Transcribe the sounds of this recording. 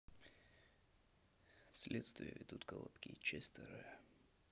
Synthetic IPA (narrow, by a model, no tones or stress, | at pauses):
sʲlʲʔet̪st̪vʲɪjə̰vʲɪd̪ut̪ɡəlˠɐ̰pkʲit͡ɕesʲt̪əɾɨə